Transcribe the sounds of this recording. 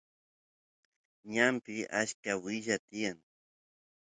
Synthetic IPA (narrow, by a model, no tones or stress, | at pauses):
ɲampɪʔaʃkawɪʒat̪ɪjaŋ